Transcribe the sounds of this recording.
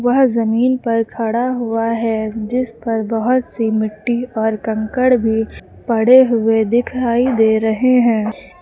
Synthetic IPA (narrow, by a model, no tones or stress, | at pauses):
ʋɐɦzɐmiːnpɐɾkʰɐɽaɦʊaɦɛd͡ʒɪspɐɾbɐɦʊt̪simɪʈːiɔːɾkɐ̃ŋkəɽbʱi | pɐɽ̤eɦʊed̪ɪkʰaːid̪eːɾɐɦeɦɛ̃ː